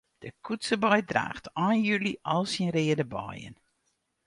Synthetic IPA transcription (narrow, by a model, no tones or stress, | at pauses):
d̥əkʰutsəbɔjdra̰ːχtɔːnjøliʔɔlˠsinrɪədəbɔ̰jə̰n